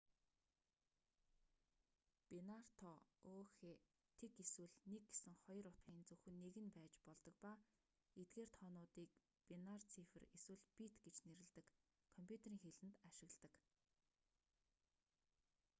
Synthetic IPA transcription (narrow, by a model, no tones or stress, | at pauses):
penar̥t̪ʰɔoːxeː | t̪ʰeɡeswɘ̆ɮneɡ̚ɡesɘ̆ŋχɔj̆rʊt̪χiːnt͡sɵxɘ̆nːeɣɘ̆npæːt͡ɕpɔɮt̪ɞ̆k̚pa | et̪̚ɡeːrt̪ʰɔːnʊːt̪iːk̚ | penart͡sʰifɘ̆reswɘ̆ɮpit̪ɡet͡ɕneɾɘ̆ɮt̪ɘ̆kʰː | ɔmpʰʲjut̪ʰeɾiːŋxeɮɘ̆nt̪aʃɪ̆ɣɮt̪ə̆k